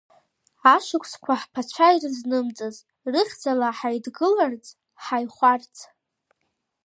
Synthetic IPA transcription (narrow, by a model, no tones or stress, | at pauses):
aʂɨkʷʰʼskʷʰaħpʰat͡ʃʷʰajrɨznɨmt͡sʼɨz | rɨχʲd͡zalaħajdɡɨlart͡sʼ | ħajχʷart͡sʰʼ